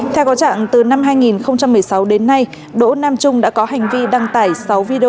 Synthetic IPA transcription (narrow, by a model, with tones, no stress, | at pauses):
t̪ʰɛ˧wkɔ˨˦t͡ɕa̰ː˧˨ŋt̪ɨ˨˩na˧mɦaː˧jŋi˨˩nxə˧wŋ͡mt͡ɕa˧mːɨ˨˩əjsa˨˦wɗe˨˦nːa˧j | ɗo̰˧˥naː˧mt͡ɕʊ˧ŋ͡mɗa̰ː˧˥kɔ˨˦ha˨˩jŋ̟vi˧ɗa˧ŋt̪aː˧˩jsa˨˦wvi˧ɗi˧o˧